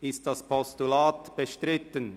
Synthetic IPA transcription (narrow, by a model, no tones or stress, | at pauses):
ʔɪst̚d̥aspʰɔstulaːtb̥əʃtʁɪtən